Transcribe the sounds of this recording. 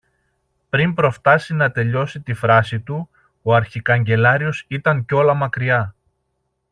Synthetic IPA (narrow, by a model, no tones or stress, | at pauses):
pɾimpɾo̞ft̪ɐsinɐt̪e̞ʎo̞sit̪ifɾɐsit̪u | oɐɾçikɐɲɟe̞lɐɾio̞sit̪ɐɲco̞lɐmɐkɾiɐ